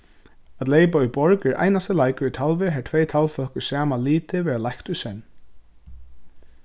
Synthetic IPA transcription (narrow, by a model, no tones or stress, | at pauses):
at̪lejpauʏjbɔɹkɛɹʔa̰jnast̪ɪlajkʏɹut̪ʰalvɪɦɛːt̪ʰvɛjt̪ʰalfœhkʏsaːmaliːt̪ɪʋɛːɹalajkt̪ʊjsɛn